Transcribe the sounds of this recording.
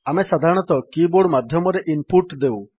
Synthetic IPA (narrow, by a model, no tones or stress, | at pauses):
amesad̪ʱaɾɔɽ̃ɔt̪ɔkiboɽmad̪ʱjɔmɔɾeʔinpuɾʈd̪ew